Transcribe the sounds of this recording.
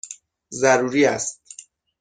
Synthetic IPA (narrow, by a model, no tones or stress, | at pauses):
zæɾuːɾiːæst̪̚